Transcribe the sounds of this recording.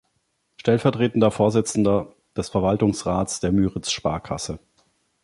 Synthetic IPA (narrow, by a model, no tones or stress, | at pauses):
ʃtɛlfɛɐtʁ̥eːtn̩dɐfoːɐzɪt͡sn̩dɐ | d̥ɛsfɛɐvaltʊŋsʁaːtt͡sd̥eːɐmyːʁɪt͡sʃpa̰ːɐkʰa̰sə